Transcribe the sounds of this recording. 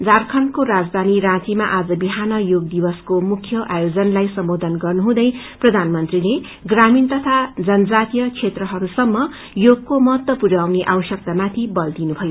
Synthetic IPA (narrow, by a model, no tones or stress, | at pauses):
d͡zarkʰʌnkoɾad͡zd̪ʱaniɾãt͡simaʔad͡zʌbiɦanʌjoɡd̪ibʌskomukʰjʌʔajod͡zʌnlajsʌmbod̪ʱʌnɡʌrnuɦũd̪ʌj | prʌd̪ʱanmʌnt̪rile | ɡramint̪ʌt̪ʰad͡zʌnʌd͡zat̪ijʌt͡sʰet̪rʌɦʌɾusʌmːʌ | joɡkomʌɦʌt̪ːʌpuɾawneʔawsʌk̚t̪amat̪ʰibʌld̪inubʱʌjo